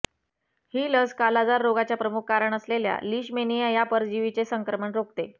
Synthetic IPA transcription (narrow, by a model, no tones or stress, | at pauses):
hiːləskalad͡zaɾːoɡat͡ɕjapɾəmukʰːaɾəɳəslelja̰liːɕmenijəjapəɾd͡ʑiʋit͡sesəŋkɾəməɳɾokt̪e